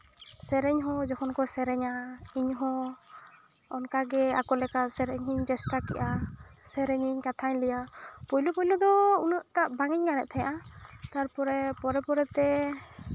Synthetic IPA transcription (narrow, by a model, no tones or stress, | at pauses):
sɛɾɛɲɦɔ̃d͡ʒɔkʰɔnkɔsɛɾɛɲaiɲɦɔ̃ | ɔnkaɡɛa̰kɔlɛkasɛɾɛɲɦiɲd͡ʒɛsʈakḭʔasɛɾɛɲiɲkat̪ʰaɲlɛjapɔjlɔpɔjlɔd̪ɔunəʔʈaʔbaŋɛɲkanɛʔ̪̚t̪ʰajã̰ʔat̪aɾpɔɾɛpɔɾɛpɔɾɛt̪ɛ